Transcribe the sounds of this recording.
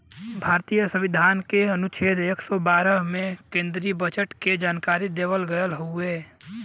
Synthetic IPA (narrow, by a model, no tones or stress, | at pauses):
bʱaːɾt̪iːjəsə̃ʋɪd̪ʱaːnkeənʊt͡ʃʰeːd̪eːksɔbaːɾəɦmẽkẽːnd̪ɾiibət͡ʃəʈked͡ʒaːnkaːɾid̪eːʋəlɡəjəlɦueː